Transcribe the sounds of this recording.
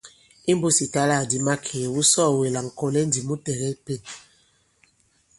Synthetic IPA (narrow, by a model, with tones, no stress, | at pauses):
i˦m˦bo˦si˨ta˦la˦˨di˨ma˦kʰe˨wu˦sɔː˦˨we˨la˨ŋ̩˨kɔ˦lɛ˦n˦di˨mu˦tɛ˨ɣɛ˦i˦pe˦˨